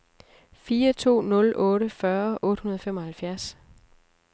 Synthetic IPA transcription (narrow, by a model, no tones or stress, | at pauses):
fiːɐt͡sʰo̝̰ːnɔ̽lʔɔ̽ːɾəfɶɐʔɔ̽ːd̥hunɐð̞ˠɒfemɒhælfjæɐs